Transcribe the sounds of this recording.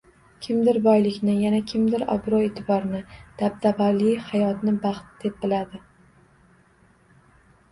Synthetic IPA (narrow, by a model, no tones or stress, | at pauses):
kʲʰɪmd̪ɪɾbɒjlɪkʲnɪjanakʲʰɪmd̪ɪɾɒ̰bɾɒet̪ʰɪbɒɾnɪd̪̥ab̚d̪avalɪjhajɒt̪nɪbɑχt̪d̪̥e̞p̚bɪlad̪ɪ